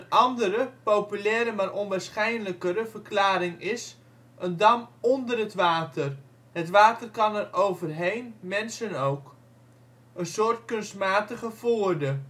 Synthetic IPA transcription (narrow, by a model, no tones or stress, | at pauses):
ənʔɑndəɾəpowpylɛːɾəmaːɾɔnʋaːɹsχɛjnələkəɾəvərklaːɾɪŋɪs | ʔəndɑmɔndərɦətʋaːtər | hətʋaːtərkɑnɛrowvərɦejnmɛnsənowk | ənsʊːrtkɵnstmaːtəχəfoːrdə